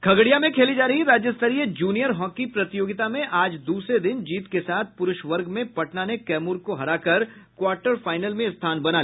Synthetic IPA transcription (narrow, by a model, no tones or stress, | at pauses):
kʰɐɡɽijamẽkʰeːlid͡ʒaːɾɐɦiɾaːd͡ʒjəst̪əɾiəd͡ʒuːnijəɾɦɔ̃ːkːipɾɐt̪ɪjoːɡɪt̪amẽʔaːd͡ʒd̪uːsɾed̪ɪnd͡ʒiːt̪kesaːt̪̚ʰpʊɾʊʃʋɐɾɡmẽpɐʈnanekɛːmuːɾkoɦɐɾaːkɐɾkwaːɾʈəɾfaːɪnəlmẽɪst̪ʰaːnbɐnaː